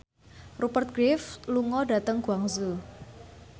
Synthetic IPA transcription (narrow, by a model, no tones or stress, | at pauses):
rupərt̪̚ɡ̥ɾɪfluŋɔɖa̤t̪əŋɡ̥uaŋzu